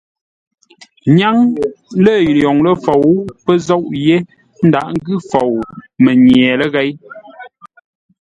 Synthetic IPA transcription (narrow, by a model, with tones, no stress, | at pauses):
ɲa˦ŋlə˦˨jɔ˨ŋlə˦fo˨wpə˦zɔ˦ʔje˦ | n̩˦da̰˨ʔŋ̩˦ɡʉ˦fo˨wmə˨ɲjɛː˨lə˦ɣɛ˦j